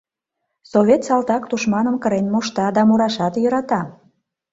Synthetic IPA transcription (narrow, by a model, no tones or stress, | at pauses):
soβʲet̪sɑlt̪ɑkt̪uʃmɑnəmkəɾenmoʃt̪ɑd̪ɑmoɾɑʃɑt̪jøɾɑt̪ɑ